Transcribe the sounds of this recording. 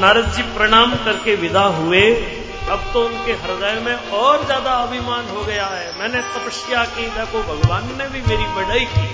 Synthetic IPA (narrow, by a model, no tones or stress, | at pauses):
naːɾəd͡ʒd͡ʒipɾɐɽ̃aːmkɐɾkeʋɪd̪ʱaɦʊe | ɐbt̪oʊnkeɦɐɾd̪ajmẽɔːɾzjaːd̪aɐbʱɪmaːnɦoɡɐjaɦɛːmɛ̃ːnesɐpəʃjakid̪ɛːkobʱɐɡʋaːnːẽbʱimeːɾibɐɽaikː